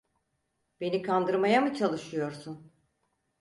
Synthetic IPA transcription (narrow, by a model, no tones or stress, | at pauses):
be̞nikʰand̪ɯɾmajamɯt͡ʃʰalˠɯʃɯjo̞ɾsun